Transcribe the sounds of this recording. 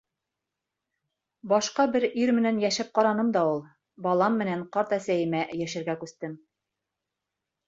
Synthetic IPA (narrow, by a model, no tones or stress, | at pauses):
bɒʃqɑbɘɾiɾmɘ̆nænjæʃɘp̚qɑɾɑnɤmd̪ɑulˠ | bɑlˠɑmːɘ̆næɴqɑɾt̪æsæjɘ̆mæjæʃɘ̆ɾɡækʉst̪ɘm